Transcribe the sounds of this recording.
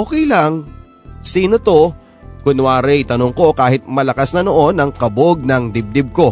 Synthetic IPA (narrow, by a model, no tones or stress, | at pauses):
ʔoːkɛjlaŋ | siːnot̪o̞ | kʊnwaːɾɛjt̪ɐnoŋko̞kaːhɪt̪̚mɐlɐkasnɐnoʔo̞nɐŋkɐboɡ̚nɐŋd̪ɪb̚d̪ɪb̚ko̞